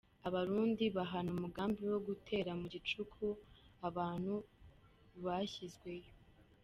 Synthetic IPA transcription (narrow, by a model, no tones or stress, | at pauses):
aβaɾuːndiβaɦanumuɡaːmbiwo̞ɡutʰe̞ːɾamuɟit͡ʃukʰuaβaːn̥hu | βaizɡwe̞jo